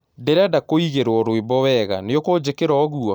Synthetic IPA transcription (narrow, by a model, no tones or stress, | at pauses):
deɾeadakoiɣeɾwɔɾwebɔwɛɣa̰neokod͡ʑekeɾɔːɣuɔ